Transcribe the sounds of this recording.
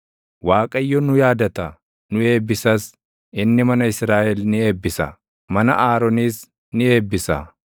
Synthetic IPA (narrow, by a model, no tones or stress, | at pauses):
waːkʼɐjːɔnʊjaːd̪ɐt̪ɐ | nʊe̞ːbːɪsɐs | ɪnːɪmɐnɐɪsɾaːʔɛlnɪe̞ːbːɪsɐ̰ | mɐnɐ̰ʔaːɾɔniːs | nɪe̞ːbːɪsɐ̰